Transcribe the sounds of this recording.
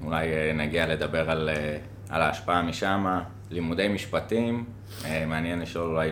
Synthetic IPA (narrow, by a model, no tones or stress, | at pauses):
ulajenaɡiale̞d̪abe̞ʁale | a̰laːʃpaamiʃama | limud̪e̞jmiʃpatim | emeanjenliʃo̞lulaj